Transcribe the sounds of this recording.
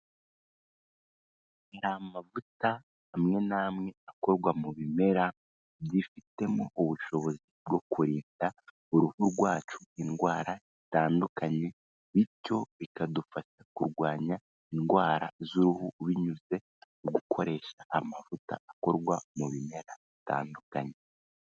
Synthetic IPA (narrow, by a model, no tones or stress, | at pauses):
ɾamavutaː | mŋe̞naːmŋe̞ako̞ɾɡwamuβime̞ɾa | bdifite̞mo̞uβuʃo̞βo̞zib̚ɡo̞kuɾiːnda | uɾuhuɾɡwaːt͡ʃu̥inɡwaːɾa | itaːndukaɲe̞ | βico̞βikadufaʃakuɾɡwaːɲa | inɡwaːɾa̰zuɾuhuβiɲuze̞ | uɡukʰo̞ɾe̞ːʃaʔːmavuta̰ːko̞ɾɡwamuβime̞ɾaβita̰ːndukaɲe̞